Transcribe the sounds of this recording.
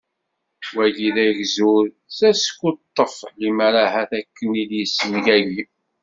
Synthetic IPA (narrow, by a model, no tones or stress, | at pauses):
wæʝiðæʝzuɾ | sæskːut̪ˤːəflimaɾaɦæθækːəniljəsːənʝæʝi